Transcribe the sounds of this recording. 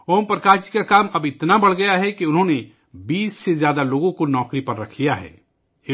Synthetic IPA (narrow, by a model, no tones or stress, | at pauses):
oːmpɾɐkaːt͡ʃi̥kakaːmɐbɪt̪nabɐɽ̤ɡɐjaɦɛkiʊnɦõne | biːsːezjaːd̪aloːɡõkonɔːkɾipɐɾːɐkʰlijaɦɛ̰ː